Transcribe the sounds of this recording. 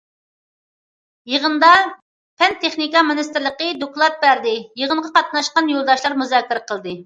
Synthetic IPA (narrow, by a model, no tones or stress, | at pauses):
jəʁənd̪ɑ | pʰɛnt̪ʰeχnikɑmɪnɨst̪ɪɾlˠəqəd̪oklˠɑt̪̚bæɾd̪ɪjəʁəɴʁɑqɑt̪̚nɑʃqɑnjolˠd̪ɑʃlˠɑɾmuzɑːkʲːiɾəqəlˠd̪ɨ